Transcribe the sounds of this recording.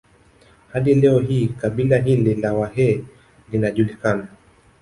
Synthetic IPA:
haɗilɛɔɦiːkaɓilaɦililawahɛ | linaʄulikana

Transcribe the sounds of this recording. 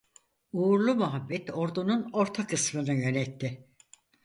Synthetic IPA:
uɾlˠumuɦabːɛt̪o̞ɾd̪ununo̞ɾt̪ʰakɯsmɯnɯjø̞nɛt̪ʰːɪ

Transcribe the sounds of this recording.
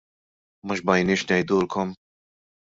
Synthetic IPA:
mɐʃbɐjnɪːʃnɛjd̪uːlkɔm

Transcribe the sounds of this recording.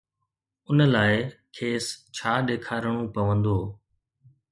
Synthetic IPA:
ʊnəlaːɪkʰeːst͡ɕʰaːɗeːkʰaːɾəɽ̃ũpɐʋə̃nd̪oː

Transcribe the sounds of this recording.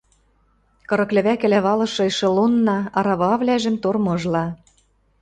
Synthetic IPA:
kɤ̆ɾɤ̆klɘ̆βækɘ̆læβɑlɤ̆ʃɤ̆jʃɤ̆lunːɑɑɾɑβɑβlæʒɘ̆mt̪ormɤ̆ʒlɑ

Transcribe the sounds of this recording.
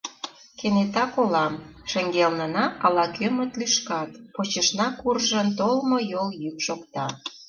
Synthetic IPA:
kenet̪ɑkolɑmʃə̆ŋɡelnə̆nɑɑlɑkʰømə̆t̪lyʃkɑt̪pot͡ɕəʃnɑkurʒə̆nt̪olmojoljykʃokt̪ɑ

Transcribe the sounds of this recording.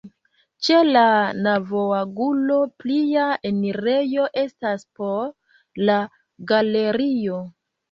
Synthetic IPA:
t͡ʃe̞lanavoaɡulo̞pliaeniɾe̞jo̞ʔe̞staspo̞ | la | ɡale̞ɾio̞

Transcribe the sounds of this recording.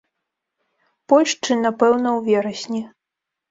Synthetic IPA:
pɔlʲʂt͡ʂɨnapɛwnɐwvʲɛɾɐsʲnʲi

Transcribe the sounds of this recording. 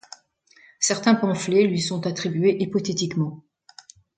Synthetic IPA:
sɛʁt̪ɛ̃pɑ̃flelɥisɔ̃t̪at̪χibɥeʔipɔt̪et̪ikmɑ̃

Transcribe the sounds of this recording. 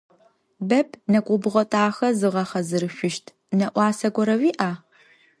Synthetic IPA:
bɐpʰnɐkʷʼʊbɨʁʷɐtʼaːxɐzɨʁɐχɐzɨɾɨɕʷʊʃtʰ | nɐʔʷɑːsɐɡʷɔɾɐwiːʔaː

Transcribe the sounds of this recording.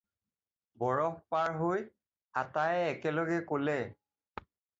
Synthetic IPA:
bɔɹɔkpaɹɦoj | atajɛːkɛlɔɡɛkolɛ

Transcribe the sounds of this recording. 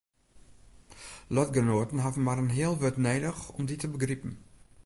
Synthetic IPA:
lɔtɡənoːətn̩ɦavən̩maɾənɦɪəlˠʋøtneːdəxɔmditəbəɡripn̩

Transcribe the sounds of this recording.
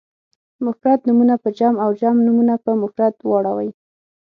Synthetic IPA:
mʊxɾat̪numunapəd͡ʒɑmawd͡ʒɑmnumunapəmʊkɾat̪wɑɽawa̰j

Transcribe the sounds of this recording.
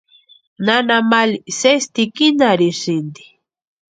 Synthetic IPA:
nanamalisest̪ikinaɾisind̪i̥

